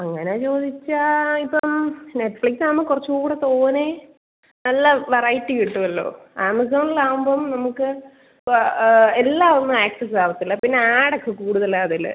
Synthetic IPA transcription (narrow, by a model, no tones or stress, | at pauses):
ɐŋːɐneet͡ɕo̞ːd̪it͡ɕːɐipːɐmneʈːfliksnɐmːɨkurɐt͡ɕːukuːɽet̪oːne | nɐlːɐʋerɐjtːiʋiʈːuɐlːo̞̰ːaːmɐsoːnilaːʋumboːmnɐmukːɨ | elːaːʋunːuaːk̚ʈɨsaːʋɐt̪ːilːɐpinːeaːɽokːekuːɽuðɐlɐɐðilɐ̰